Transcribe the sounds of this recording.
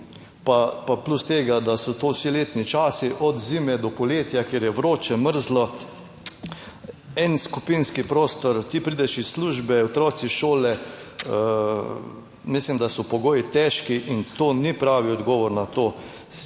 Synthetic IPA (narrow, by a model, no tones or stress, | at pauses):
papaplust̪eːɡad̪asɔt̪oːsileːt̪nit͡ʃaːsiʔɔd̪ziːmɛd̪ɔpɔljeːt̪jakjeːɾjɛʋɾoːt͡ʃɛməɾzlɔ | ɛnskupinskipɾoːst̪ɔɾt̪ipɾiːd̪ɛʃisːluʒbɛɔt̪ɾɔːt̪siʃoːlɛə | mislimd̪asɔpɔɡoːjit̪ɛʃkiʔint̪oːnipɾaːʋiɔd̪ɡɔːʋɔɾnat̪oː